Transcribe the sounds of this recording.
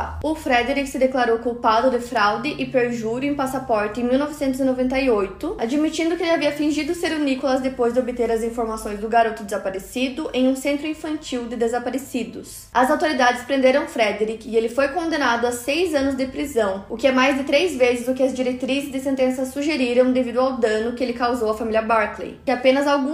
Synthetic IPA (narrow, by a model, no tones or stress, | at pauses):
ʊfɾɛd̪eɾikɪsɪd̪eklaɾowkũpad̪ʊd̪ɪfɾawd̪ɪʔɪpeɾʒuɾʊẽj̃pasapɔɾt̪ɪẽj̃miwnɔvɪsẽnt̪ʊzinovẽnt̪ɐiojt̪ʊad͡ʒimit͡ʃĩnd̪ʊkɪelɪaviɐfĩʒid̪ʊseɾunikolɐzd̪epojzd̪ɪobɪt̪eɾɐzĩfoɾmasõj̃zd̪ʊɡaɾot̪ʊd̪ɪzapaɾesid̪ʊʔẽj̃ũsẽnt̪ɾʊĩfɐ̃nt͡ʃiwd̪ɪd̪ezapaɾesid̪ʊs | ɐzawt̪oɾid̪ad͡ʒ̪ɪspɾẽnd̪eɾɐ̃w̃fɾɛd̪eɾikɪɪelɪfojkõnd̪ẽnad̪ʊasejzɐ̃nʊzd̪ɪpɾizɐ̃w̃ʊkɪɛmajzd̪ɪt̪ɾejzvezɪzʊkɪɐzd͡ʒiɾet̪ɾizɪzd̪ɪsẽnt̪ẽsɐsuʒeɾiɾɐ̃w̃d̪evid̪ʊawd̪ɐ̃nʊkɪelɪkawzowɐfamilʲɐbaɾklḛjkɪapẽnɐzawɡũ